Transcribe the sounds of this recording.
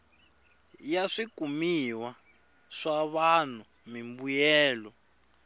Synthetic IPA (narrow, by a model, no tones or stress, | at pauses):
jaʂikumiwa | ʂaβan̤u | mimbujɛːlɔ